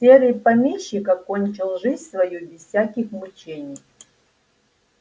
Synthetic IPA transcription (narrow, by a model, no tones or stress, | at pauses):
sʲeɾʲɪjpɐmʲeɕːɪkɐkonʲt͡ɕɪlˠʐɨzʲsvɐjubʲɪssʲakʲɪxmut͡ɕenʲɪj